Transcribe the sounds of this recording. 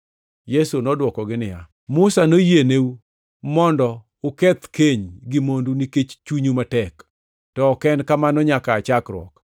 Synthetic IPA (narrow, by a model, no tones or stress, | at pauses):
jesunɔdwɔkɔɡɪnɪja | mʊsanojeneu | mɔndɔ | ʊkɛt̪keɲɡɪmonduniket͡ʃt͡ʃuɲumatɛk | tɔːkɛnkamanɔɲakaːt͡ʃakɾwɔ̰k